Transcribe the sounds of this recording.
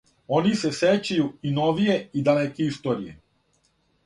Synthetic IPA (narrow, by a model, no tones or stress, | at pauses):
onise̞set͡ɕajuinoʋijeid̪alekeist̪o̞ːɾijḛ